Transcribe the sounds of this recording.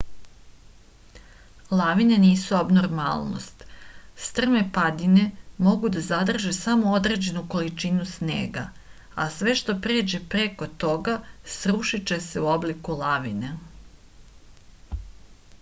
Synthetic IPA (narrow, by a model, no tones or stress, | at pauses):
lˠaʋine̞niːsuabnoɾma̰lˠno̰st̪st̪r̩me̞pad̪ine̞mo̞ɡud̪azad̪r̩ʒesamood̪ɾe̞ːd͡ʑe̞nuko̞lit͡ʃinusne̞̰ːɡa̰ | asʋe̞ʃt̪o̞pɾeːd͡ʑe̞pɾeko̞t̪o̞ɡasɾuʃit͡ʃese̞uoblikulaʋḭne